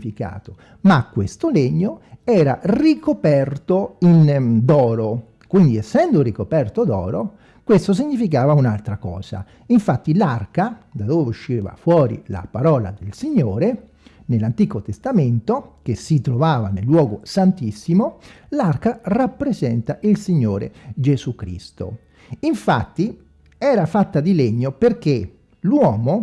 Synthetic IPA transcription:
fika̰ːt̪o | makːwest̪oleɲːoɛːɾa̰rikopɛrt̪oind̪ɔːɾo | kwind̪iɛsːɛnd̪orikopɛrt̪od̪ɔ̰ːɾo | kwest̪os̬iɲːifik̬aːvaunalt̪ɾakɔ̰ːza̰ | iɱfat̪ːilarkad̪ad̪oːveuʃːiva̰fwɔːɾḭla̰paɾɔːla̰d̪elsiɲːoːɾe | nelːant̪iːkot̪est̪ament̪okesːit̪ɾovaːvanelːwɔːɡosant̪isːimolarkarapːɾezɛnt̪aʔilsiɲːoːɾḛd͡ʒezukɾḭst̪o̰ | iɱfat̪ːi | ɛːɾafat̪ːad̪ileɲːoperk̟e | lwɔːmo

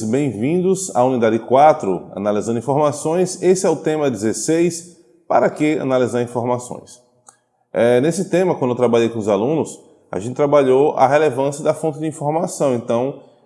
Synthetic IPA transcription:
bẽj̃vĩd̪ʊza̰ũnid̪ad͡ʒɪɪkwat̪ɾʊɐ̰nalizɐ̃nd̪uĩfoɾmasõj̃sesɪɛʊt̪ẽmɐdɪzesejs | pa̰ɾɐkɪɐ̰nalizaɾĩfoɾmasõ̰j̃s | ɛnesɪt̪ẽmɐkwɐ̃d̪ewt̪ɾabaʎejkõʊzalũnʊs | a̰ʒẽt̪ɪ̥t̪ɾabaʎowʔɐ̰ɦelevɐ̃sijɐd̪ɐfõt̪ɪd͡ʒɪĩfoɾmasɐ̃w̃ẽnt̪ɐ̃w̃

